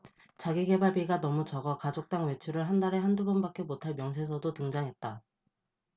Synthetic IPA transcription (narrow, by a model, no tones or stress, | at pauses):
t͡ɕaɡiɡe̞baɭbiɡanʌmut͡ɕʌɡʌkad͡ʑok̚t͈aŋwe̞t͡ɕʰuɾɯɭɦandaɾe̞ɦandubʌnbak͈e̞motʰaɭmjʌŋs̬ʰe̞s̬ʰʌdotɯŋd͡ʑaŋɦe̞t̚t͈a